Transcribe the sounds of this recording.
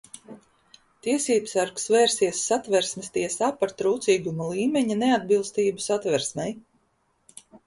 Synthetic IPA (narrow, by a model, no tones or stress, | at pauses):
t̪iɛsiːbsaɾksvɛːɾsiɛsːat̪vɛɾsmɛst̪iɛsaːpaɾt̪ɾuːt̪siːɡumulˠiːmʲeɲinead̪̚bilˠst̪iːbusat̪vɛɾsmʲɛj